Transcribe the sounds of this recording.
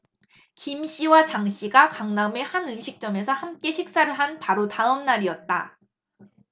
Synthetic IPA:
kimɕ͈ʰiwat͡ɕaŋɕ͈ʰiɡakaŋname̞hanɯmɕʰik̚t͡ɕ͈ʌme̞sʰʌhamk͈e̞ɕʰik̚s͈aɾɯɭɦanpaɾotaɯmnaɾiʌt̚t͈a̰

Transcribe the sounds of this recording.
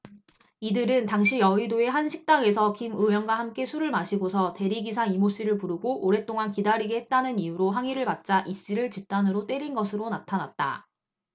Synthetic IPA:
idɯɾɯntaŋɕʰijʌidoe̞ɦanɕʰik̚t͈aŋe̞sʰʌkimɯjʌnɡwaɦamk͈e̞sʰuɾɯɭmaɕʰiɡosʰʌte̞ɾiɡisʰaimoɕ͈iɾɯɭpuɾɯɡoʔoɾe̞t͈oŋankidaɾiɡehet̚t͈anɯnijuɾoɦaŋiɾɯɭpat̚t͡ɕ͈aʔis͈iɾɯɭt͡ɕip̚t͈anɯɾot͈e̞ɾinɡʌsʰɯɾonatʰanat̚t͈a̰

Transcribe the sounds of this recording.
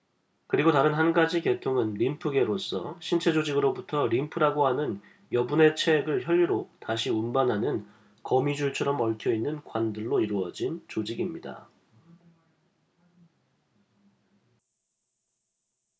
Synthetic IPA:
kɯɾiɡotaɾɯnɦanɡad͡ʑike̞tʰoŋɯnɾimpʰɯɡe̞ɾos͈ʌ̰ɕʰint͡ɕʰe̞d͡ʑod͡ʑiɡɯɾobutʰʌɾimpʰɯɾaɡoɦanɯn | jʌbune̞t͡ɕʰeɡɯɭçjʌʎːiɾotaɕʰiunbanɦanɯn | kʌmid͡ʑuɭt͡ɕʰʌɾʌmʌɭtʰjʌinːɯnkwandɯɭːoiɾuʌd͡ʑint͡ɕod͡ʑiɡimɲida̰

